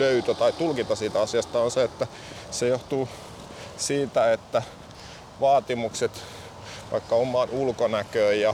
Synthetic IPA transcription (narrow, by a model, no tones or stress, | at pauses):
løyt̪øt̪ɑit̪ulkit̪ɑsiːt̪æɑsiɑst̪ɑonseet̪ːæ | sejoht̪uː | siːt̪æet̪ːæ | ʋɑːt̪imukset̪ | ʋɑ̰ikːɑomːˑɑːnulkonækøːjjɑ